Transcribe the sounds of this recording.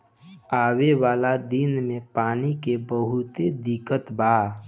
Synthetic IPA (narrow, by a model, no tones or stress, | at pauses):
aːwewaːlad̪inmẽpaːnikebəɦʊt̪ed̪ikət̪baː